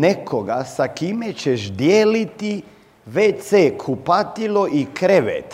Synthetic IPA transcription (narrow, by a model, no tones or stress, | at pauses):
nekʰoɡasakimet͡ɕeʃd̪jeːlit̪i | ʋet̪seːkʰupat̪iloʔikɾeʋḛt̪